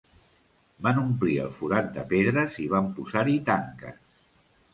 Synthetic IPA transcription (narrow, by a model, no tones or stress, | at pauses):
banumpliə̰lˠfuɾat̪̚d̪əpeðɾəziβ̞ampuzaɾit̪aŋkə̰s